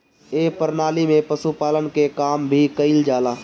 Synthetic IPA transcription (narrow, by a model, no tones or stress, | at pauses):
eːpəɾnaːlimẽpəsupaːlənkekaːmbʱikəɪld͡ʒaːlaː